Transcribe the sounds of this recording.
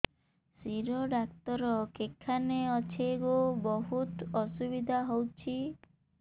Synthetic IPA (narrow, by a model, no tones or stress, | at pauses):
siɾoɖakt̪ɔɾɔkekʰaneɔt͡ʃʰeɡobɔɦut̪ɔsubid̪ʱaɦowt͡ʃʰi